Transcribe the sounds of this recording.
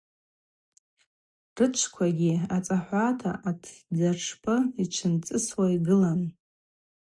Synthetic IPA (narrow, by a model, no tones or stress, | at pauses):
rɨt͡ʃʷʰkʷʰaɡʲiat͡sʼaħʷatʰa̰ʔatʰd͡zaʂʰpʰɨiʈ͡ʂʷʰɨnt͡sʼɨswaiɡɨlan